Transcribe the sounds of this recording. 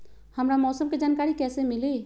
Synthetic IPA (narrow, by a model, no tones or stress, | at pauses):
həmɾamɔːsɔmked͡ʒaːnkaːɾikɛːsemile